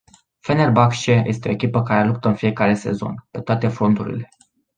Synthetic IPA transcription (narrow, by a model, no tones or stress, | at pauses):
fenerbakʃejʔe̞st̪eo̞ekʲipəkaɾe̞lup̚t̪əɨnfije̞kaɾe̞se̞̰zo̞̰npe̞t̪oat̪e̞fɾo̞nt̪uɾḭle̞